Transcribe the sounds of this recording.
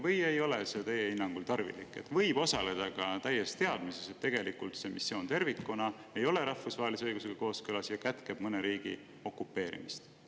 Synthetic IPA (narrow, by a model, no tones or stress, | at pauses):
vɤje̞jo̞leset̪e̞jeinːɑŋɡ̥ult̪ɑrvḭlikːˑe̞̰t̪ːˑvɤ̞jb̥o̞sɑle̞d̪̥ɑkɑt̪æjːest̪e̞ɑd̪̥mise̞set̪ːe̞ɡe̞likult̪se̞misːjo̞ːnt̪e̞rvikːˑunɑ | e̞jo̞le̞ɾɑhfusvɑːelisɤjɡuse̞ɡ̥ɑko̞ːskɯlɑsjɑkæt̪keb̥mɤne̞ɾiːɡ̥ḭ | o̞kːˑupːe̞ːɾḭmist̪